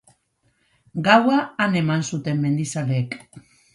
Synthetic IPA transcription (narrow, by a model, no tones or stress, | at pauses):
ɡawaːne̞mansut̪e̞mme̞nd̪isaleːk